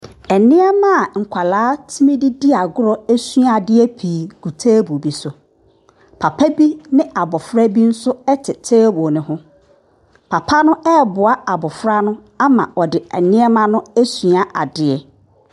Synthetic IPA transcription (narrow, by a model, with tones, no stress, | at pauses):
ɛ˨nɪ̃˦ɛ˦mã˦˨ŋ̩˨kʷʰa˨laː˨˦tʰi˦mĩ˦di˦di˦a˨ɡʊ˦ɾɔ˦æ˦su˦a˦˨a˨dɪ˦ɛ˦pʰiː˨ɡ̥u˨tʰeː˦bu˨bi˨sʊ˨ | pʰa˨pʰa˦bi˦nɪ̃˦ʔa˨bɔ˨fɾa˦bi˦n̩˦sʊ˦ɛ˦tʰɪ˨tʰeː˦wɔ˨nɪ̃˨ɦʊ̃˦ | pʰa˨pʰa˦nʊ̃˦ɛ˦˨bʊ˨a˦a˨bɔ˨fɾa˦nʊ̃˦ | a˦mã̰˨ɔ˨dɪ˨ɛ˨nɪ̃˦ɛ˦mã˦nʊ̃˦æ˦su˨a˨ʔa˨dɪ˨˦ɛ˦